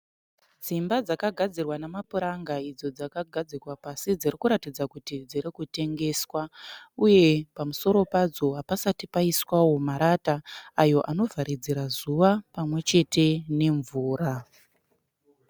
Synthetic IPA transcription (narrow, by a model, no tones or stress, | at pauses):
d͡zimbad͡zakaɡʱad͡zirwanamapuɾaŋɡaid͡zo̞d͡zakaɡʱad͡zikwapasid͡zirikuɾatid͡zakutid͡ziɾikute̞ŋɡe̞ːswauje̞pamuso̞ɾo̞pad͡zo̞ɦapasatipaiswawo̞maɾataːjo̞ʔano̞vʱaɾid͡ziɾazuʋapamwe̞t͡ʃe̞te̞ne̞ɱvuːra